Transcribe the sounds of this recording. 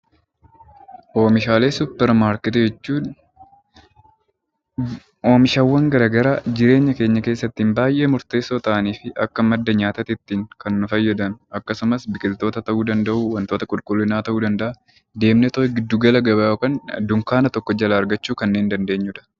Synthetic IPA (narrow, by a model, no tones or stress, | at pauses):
ʔo̞ːmɪʃaːle̞ːsʊpːɛɾmaːɾkɪt̪ɛd͡ʒɛt͡ʃːuːn | oːmɪʃɐwːɐŋɡɐɾaɡɐɾaːd͡ʒɪɾe̞ːɲːɐke̞ːɲːɐke̞ːsːɐt̪ːiːmbaːjʔe̞ːmʊɾt̪e̞ːsːoːt̪ɐʔɐniːfɪʔɐkːɐmɐd̪ːɐɲaːt̪ɐt̪ɪt̪ːiːŋkɐnːʊfɐjːɐd̪ɐnʊɐkːɐsʊmɐsbɪkʼɪlt̪o̞ːt̪ɐt̪ɐʔuːd̪ɐnd̪ɐʔuːwɐnt̪o̞ːt̪ɐkʼʊlkʼʊlːɪnaːt̪ɐʔuːd̪ɐnd̪ɐʔɐ | d̪e̞ːmnɛt̪oɪɡɪd̪ːuɡɐlɐɡɐbɐoːkɐnd̪ʊŋkaːnɐt̪ɔkːɔd͡ʒɐlɐːɾɡɐt͡ʃːuːkɐnːeːnd̪ɐnd̪e̞ːɲːʊᶑɐ̥